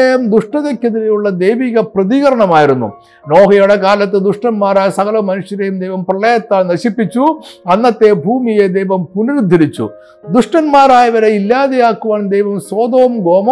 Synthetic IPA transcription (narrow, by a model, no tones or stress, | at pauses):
ejɐmd̪uʂʈɐðekʲːɐðiɾejuɭːɐd̪ejʋiːɣɐprɐðiɣɐɾɐɳɐmaːjiɾunːṵ | no̞ːɦɐjuɽekaːlɐt̪ːɨd̪uʂʈɐnmaːɾaːjɐsɐɣɐlɐmɐnuʂjɐɾejumd̪ejʋɐmprɐɭɐjɐt̪ːaːlnɐɕipːit͡ɕːuɐnːɐt̪ːe̞bʱuːmijed̪ejʋɐmpunɐɾud̪ʱːiɾit͡ɕːṵ | d̪uʂʈɐnmaːɾaːjɐʋɐɾeilːaːðejaːkːuʋaːnd̪ejʋɐmsoːd̪oːmɡo̞ːmɐ